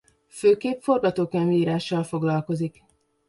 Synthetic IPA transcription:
føːkeːpfo̞rɡɒt̪oːkɛmiiːɾaːʃːɒlfo̞ɡlɒlko̞zik

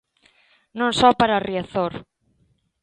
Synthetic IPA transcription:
nõŋsɔpaɾariaθoɾ

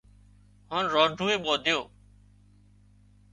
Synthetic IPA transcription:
ɦaːnɾoːɖʱuːeːɓoːd̪ʱɪjoː

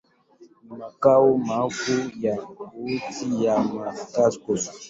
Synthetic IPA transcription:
mãkawomãfujaɡutijamãtaskos

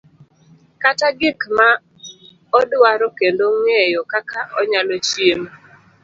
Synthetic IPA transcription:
kataɡɪkma | ɔdwaɾɔkendoŋejokakʰaʔɔɲalot͡ʃjem

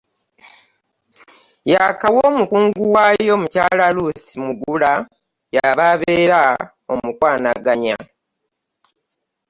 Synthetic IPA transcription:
jakawo̞ːmukuːŋɡuwaːjo̞mucaːlaluθimuɡula | jaβaβe̞ːɾa | o̞mukwaːnaɡaɲa̰

